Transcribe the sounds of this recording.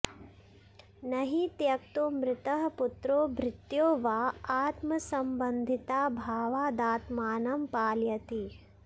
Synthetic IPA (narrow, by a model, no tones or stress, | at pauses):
nɐɦit̪jɐkt̪umɾɪt̪ɐɦɐput̪ɾoːbʱɾɪt̪joːʋaːaːt̪mɐsɐmbɐnd̪ʱit̪aːbʱaːʋaːd̪aːt̪maːnɐmpaːljɐt̪i